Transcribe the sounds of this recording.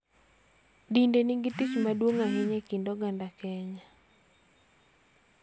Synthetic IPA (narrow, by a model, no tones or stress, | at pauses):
dindeniŋɡitit͡ʃmadwoŋaɦɛɲɛkindɔɡandakɛɲa